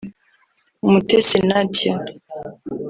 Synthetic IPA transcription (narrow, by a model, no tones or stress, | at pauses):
umutesinatja